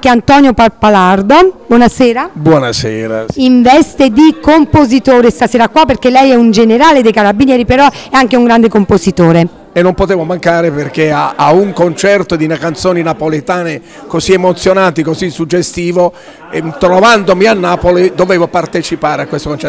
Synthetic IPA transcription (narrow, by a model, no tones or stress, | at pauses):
keant̪ɔnjopapalard̪obwɔnasɛːɾabwɔnasɛːɾa̰iɱvɛst̪ed̪ikompozit̪oːɾest̪asɛːɾakːwapːerkelɛjɛund͡ʒeneɾaːled̪ejkaɾabinjɛːɾipeɾɔɛaŋkeuŋɡɾand̪ekompozit̪oːɾe | enːompot̪eːvomaŋkaːɾeperk̟eaauŋkont͡ʃɛrt̪od̪inakant̪soːninapolet̪aːne | koziemot̪sːjonant̪ikosisud͡ʒːest̪iːvo | t̪ɾovand̪omianːaːpolid̪oveːvopart̪et͡ʃipaːɾeakːwest̪okont͡ʃɛ